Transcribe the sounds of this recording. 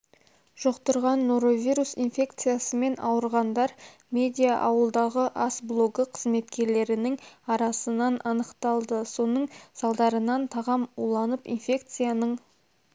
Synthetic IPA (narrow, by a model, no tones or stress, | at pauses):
ʒ̥o̞qt̪əɾʁɑnːo̞ɾo̞vʲiɾusinfʲe̞kt̪sɨjasəme̞nɑ̰wəɾʁɑnd̪ɑɾ | mʲe̞d̪ʲijaʔɑwəlˠd̪ɑʁəʔɑsblˠo̞ɡəqʰəzme̞t̪kʲe̞ɾle̞ɾɪnɪŋɑɾɑsənɑnʔɑnəqt̪ɑlˠd̪əso̞nəɴsɑlˠd̪ɑɾənɑnt̪ʰɑʁɑmulˠɑnəpḭnfʲe̞kt̪sɨjanəɴ